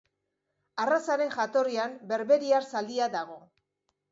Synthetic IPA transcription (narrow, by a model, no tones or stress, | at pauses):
arasaɾe̞ŋxat̪o̞riambe̞ɾβe̞ɾiaɾsald̪iaðaɣ̞o̞